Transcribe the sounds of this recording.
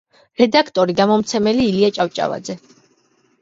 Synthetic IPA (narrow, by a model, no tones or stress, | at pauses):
ɾɛd̪akʰt̪ʼɔɾiɡamɔmt̪sʰɛmɛliːliat͡ʃʼaft͡ʃʼa̰va̰d̪zɛ